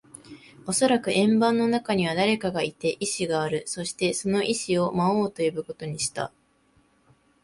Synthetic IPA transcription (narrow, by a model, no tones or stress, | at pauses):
o̞so̞ɾakɯ̟ʔẽ̞mbãnːo̞nakaɲ̟iβ̞ad̪aɾe̞kaɡait̪e̞ʔiɕiɡaːɾɯ̟so̞ɕi̥t̪e̞so̞no̞ʔiɕio̞maoːt̪o̞jobɯ̟ko̞t̪o̞ɲ̟iɕi̥t̪a̰